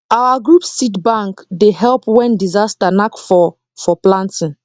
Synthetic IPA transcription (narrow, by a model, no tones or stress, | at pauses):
awaɡɹupssitbãŋkdeɦɛlpwɛ̃ndizastanakfɔ | fɔplãntĩŋ